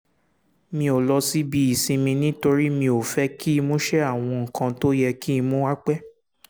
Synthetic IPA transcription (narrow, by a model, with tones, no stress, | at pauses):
mĩ˧o˨lɔ˧si˦bi˧˦i˨sĩ˧mĩ˧nĩ˦to˧ɾi˦mĩ˧o˨fɛ˨˦ki˦i˧mõ˦ʃɛ˦a˦˨w̃ɔ̃˧ŋ̩˨kã˧to˦jɛ˧ki˦i˧mõ˦wa˦k͡pɛ˦